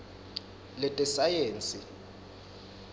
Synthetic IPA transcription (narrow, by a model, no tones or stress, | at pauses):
lɛtʼɛsajeːnt͡sʼi